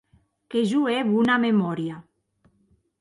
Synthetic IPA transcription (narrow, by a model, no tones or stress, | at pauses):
keʒueβunamemɔɾja